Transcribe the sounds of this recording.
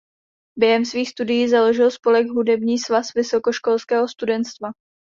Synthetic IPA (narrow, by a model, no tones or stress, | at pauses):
bjɛɦɛmsviːxst̪udɪjiːzalo̞ʒɪlspo̞lɛɡɦudɛbɲiːsvasvɪso̞ko̞ʃko̞lskɛːɦo̞st̪udɛnt̪st̪va